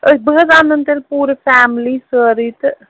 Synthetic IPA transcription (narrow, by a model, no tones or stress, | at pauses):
əibəəzanənt̪elpuɾpʰɛmlisəɾit̪